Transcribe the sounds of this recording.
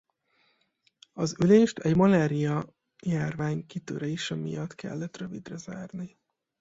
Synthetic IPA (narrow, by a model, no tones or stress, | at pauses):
ɒzyleːʃt̪ʰɛɟmɒlaːɾijɒ | jaːrvaːɲkit̪ø̰ːɾɛiʃɛmḭjɒt̪kɛ̰lːɛt̪røvid̪rɛza̰ːrni